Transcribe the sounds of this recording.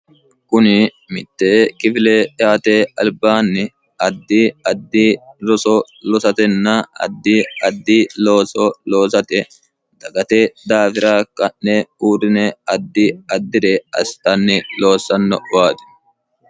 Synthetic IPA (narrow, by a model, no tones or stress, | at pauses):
kʊnɪ | mɪt̪ːeːkɪfɪleːɪaːt̪eːɐlbaːnːɪ | ɐd̪ːiɐd̪ːiːɾɔsɔ | lɔsɐt̪ɛnːɐɐ̰d̪ːiːɐd̪ːiːlo̞ːsɔlo̞ːsɐt̪ɛ | d̪̥ɐɡɐt̪ed̪aːfɪɾaːkɐnːɛuːɾɪnɛɐd̪ːiɐd̪ːɪd̪ɛɐ̰st̪ːɐnːɪlo̞ːsːɐnːɔʔʊwaːd̪ɛ̥